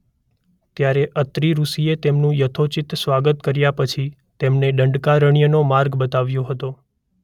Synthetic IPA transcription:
t̪jaɾeʔət̪ɾiɾusiet̪emnũjət̪ʰot͡ʃit̪sʋaɡət̪kəɾjapət͡ʃʰi | t̪emneɖəɳɖkaɾəɳ̃ijənomaɾɡbət̪aʋjoɦət̪o

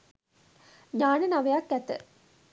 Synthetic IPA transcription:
ɲaːnənaʋejakːæt̪ə̰

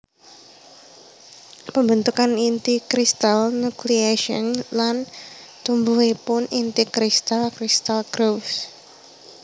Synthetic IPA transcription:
pəmbənt̪ukanint̪ikɾist̪alnukliaʃɔ̰nlant̪umbuwepʊnint̪ikɾist̪alkɾist̪alɡ̥ɾofs

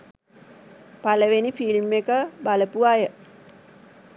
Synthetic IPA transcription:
paləʋenifilmːekəbaləpuajə

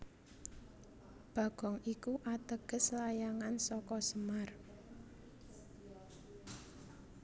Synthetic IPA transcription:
b̥a̤ɡ̥ɔ̤ŋikuʔat̪əɡ̥ə̤slajaŋansɔkɔsəmar

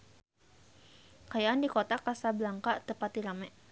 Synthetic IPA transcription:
kajaʔandikot̪akasabəlaŋkat̪əpat̪ilamɛʔ

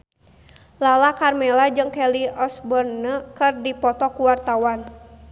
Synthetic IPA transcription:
lalakarmɛlad͡ʒɨŋkɛliɔsbɔnːəkɨrdipɔt̪ɔkuwart̪awan

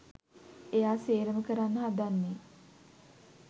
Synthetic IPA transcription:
ejaːseːɾəməkəɾanːəɦad̪anːi

